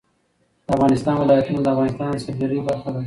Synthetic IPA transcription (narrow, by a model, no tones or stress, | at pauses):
d̪̥əafɣɑnɪst̪ɑːnwɪlɑjat̪unad̪əafɣɑnɪst̪ɑːnsab̚d̪aɾibaɾxad̪a